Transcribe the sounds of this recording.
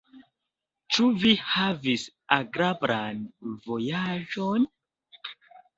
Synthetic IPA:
t͡ʃuvihavis | aɡɾabɾanvo̞jaʒon

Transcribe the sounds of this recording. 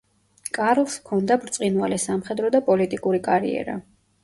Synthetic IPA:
kʼaɾlˠskʰɔnd̪abɾt̪sʼinvalɛsamχɛd̪ɾɔd̪apʼɔlit̪ʼikʼuɾikʼaɾḭɛ̰ɾa̰

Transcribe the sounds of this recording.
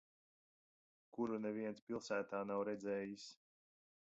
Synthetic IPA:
kuɾunɛviɛnspʲilˠsæːt̪aːnawɾɛd̪zɛːjis

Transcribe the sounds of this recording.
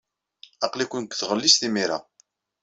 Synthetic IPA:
ɑqlikʷənkʷθʁəlːisθimiɾa̰

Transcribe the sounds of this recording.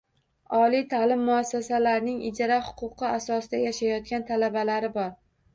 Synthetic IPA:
ɒlijt̪ʰalɪmːʊasːasalaɾnɪŋɪd͡ʒɾahʊ̥qʰʊqʰɨasɒsɪd̪ajaʃajɒt̪̚kʲant̪ʰalabalaɾɪbɒɾ

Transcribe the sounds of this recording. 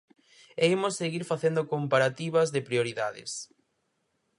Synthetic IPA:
eimosːeɣiɾfaθend̪okompaɾat̪iβɐzðɪpɾioɾiðaðɪ̰s

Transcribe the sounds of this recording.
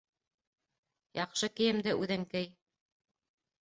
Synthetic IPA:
jɑqʃɤkɘ̆jɘ̆md̪ɘʔʉðɘŋkɘj

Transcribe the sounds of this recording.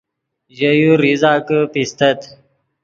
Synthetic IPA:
ʑəjuɾizaːkəpist̪ət̪

